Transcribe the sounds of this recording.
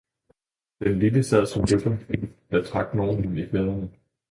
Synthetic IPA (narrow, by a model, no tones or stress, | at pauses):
d̥enliləsɛð̰ˠsɒ̽mløb̥ɐd̥æt͡sʰʁɑ̈ɡ̥d̥nɒːɦunifeðˠn̩